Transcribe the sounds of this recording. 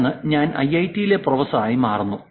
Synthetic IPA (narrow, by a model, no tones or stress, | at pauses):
ŋːɨɲaːnɐ̰jɐjtːijile̞prɐʋɐsɐaːjimaːrunːu